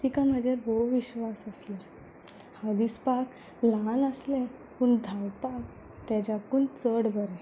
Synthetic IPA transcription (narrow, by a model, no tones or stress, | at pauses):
t̪ikãm̤əd͡ʑʱaɾboʋiɕʋasəsle | had̪ispak | lanəslɛ̃ | puːɳd̪ʱawpak | t̪ad͡ʑakunt͡səɽbəɾɛ